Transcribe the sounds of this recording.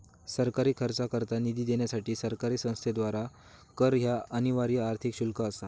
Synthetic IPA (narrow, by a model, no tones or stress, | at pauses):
səɾkaɾiːkʰəɾt͡sakəɾt̪anid̪iːd̪eɳjasaʈiːsəɾkaɾiːsə̃w̃st̪ʰed̪ʋaɾa | kəɾɦjaəniʋaɾjaɾt̪ʰikɕulkəːsa